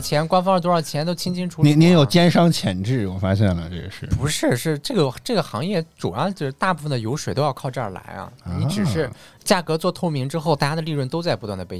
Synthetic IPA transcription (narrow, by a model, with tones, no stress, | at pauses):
t͡ɕʰjɛ˧˥nkwa˥nfɑ˥ŋɻə˧˩t̪wɔ˥˩˨t͡ɕʰjɛ˧˥nt̪o˥ʊt͡ɕʰi˥ŋt͡ɕʰi˥ŋʈ͡ʂʰu˥ni˧˥ni˧˥jo˨˩ʊt͡ɕjɛ˥nʂɑ˥ŋt͡ɕʰjɛ˨˩nʈ͡ʂɻ̩˥˩wɔ˨˩fa˥ɕjɛ˥˩nlə̰˩ʈ͡ʂə˥˩ɡʂɻ̩˥˩pu˧˥ʂɻ̩˥˧ʂɻ̩˥˩ʈ͡ʂɤ˥˩ɡə˩ʈ͡ʂɤ˥˩ɡə˩xɑ˧˥ŋjɛ˥˩ʈ͡ʂṵ˨˩jɑ˥˧ʊt͡ɕjo˥˧ʊʂ̩˥t̪a˥˧pu˥˩fə˩nd̪ə˩jo˧˥ʊʂwe˨˩ɪt̪o˥jɑ˥˧ʊkʰʊʈ͡ʂɤ˥˧ə˞˨˩la̰˧˥ɪɐ̰˧ni˧ʈ͡ʂɻ̩˨˩ʂɻ̩˥˧ | t͡ɕja˥˩kɤ˧˥t͡swɔ˥˧t̪ʰo˥ʊmi˧˥ŋʈ͡ʂɻ̩˥xo˥˧ʊt̪a˥˧˩t͡ɕja˥d̪ə˧li˥˧ɻwə˥˩nt̪o˥ʊt͡sa˥˩ɪpu˧˥t̪wa˥˩nd̪ə˩pe˥˧˩